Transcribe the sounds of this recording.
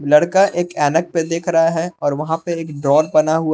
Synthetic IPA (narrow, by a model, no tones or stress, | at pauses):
lɐɽkaʔeːkɛːnək̚ped̪eːkʰɾɐɦaɦɛɔːɾʋɐɦãpeeːkɖɾɔːɖ̚bɐnaɦʊa